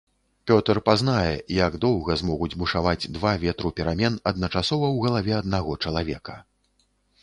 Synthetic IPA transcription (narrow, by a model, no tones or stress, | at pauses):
pʲɔt̪rpaznajɛ̰jaɡd̪ɔwɣɐzmɔɣud͡zʲbuʂavad͡zʲd̪vavʲɛt̪ɾupʲɛɾamʲɛnɐd̪̚nɐt͡ʂasɔvɐwɣɐlˠavʲɛɐd̪̚naɣɔt͡ʂɐlˠavʲɛkɐ̥